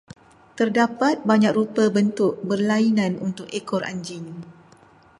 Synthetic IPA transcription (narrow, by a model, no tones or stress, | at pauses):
t̪ərdapat̪̚baɲãk̚rupəbənt̪ʊʔ̚bərlainãnunt̪ʊkekɔra̰ɲd͡ʒɪŋ